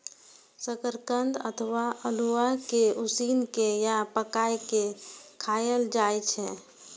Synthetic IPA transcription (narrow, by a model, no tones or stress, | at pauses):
səkəɾkənd̪ə̰t̪ʰəʋaəluakeusinkejapəkajkekʰajəld͡ʒajt͡ʃʰɛ̃